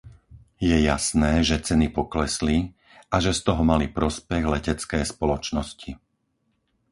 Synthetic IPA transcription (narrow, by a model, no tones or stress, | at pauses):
jɛjasnɛːʒɛt͡sɛnipɔklɛsli | aʒɛst̪ɔɦɔmalipɾɔspɛɣlɛcɛt͡skɛːspɔlɔt͡ʃnɔsci